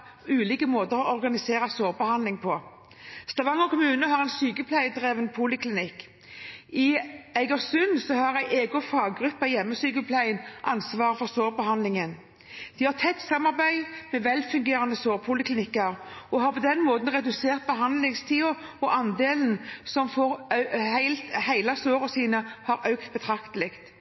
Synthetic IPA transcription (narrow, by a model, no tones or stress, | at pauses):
ʉːliːkəmoːt̪əʁɔʔɔʁɡɑnɪseːʁɑsoːʁbəhɑnlɪŋpʰɔ | st̪ɑʋɑŋɔkʰʊmʉːnəɦɑʁɛɪnsyːkəlpʰlæɪd̪ʁeːʋənpʰuːlɪkʰlɪnɪk | ɪæɪɡəʁsʉnsɔhɑʁæɪʔeːɡʊfɑːɡɡʁʉpːɑjɛmːəsyːkəlpʰlæɪnʔɑnsʋɑːʁəfɔʁsoːʁbəhɑnlɪŋən | d̪̥ihɑʁt̪ʰɛt̪ːsɑmɑʁbæɪmɛʋɛlfʉŋɡeːʁɑnəsoːʁpʰʊlɪkʰlɪnɪkːəɾɔhɑpʰɔd̪ɛnmoːt̪n̩ʁɛd̪ʉseːʁt̪̚bəɦɑnd̪lɪŋst̪ʰiːʊɔʔɑnd̪eːln̩sɔmfɔʁhæɪlt̪hæɪlɑsoːɾɔsiːnəhɑɾœʉkt̪̚bət̪ʰɾɑkt̪əlɪkt̪